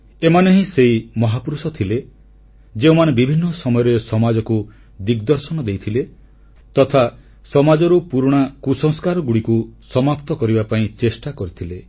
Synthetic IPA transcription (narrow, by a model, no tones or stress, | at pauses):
emaneɦĩseimɔɦapɾusɔt̪ʰile | d͡ʒeũmanebibʱinːɔsɔmɔjɔɾesɔmad͡ʒɔku | d̪iɡd̪ɔɾsɔnɔd̪ejt̪ʰile | t̪ɔt̪ʰa | sɔmad͡ʒɔɾupuɾɽ̃akusɔŋskaɾɔɡuɽikusɔmapt̪ɔkɔɾibapaĩt͡ʃesʈakɔɾit̪ʰile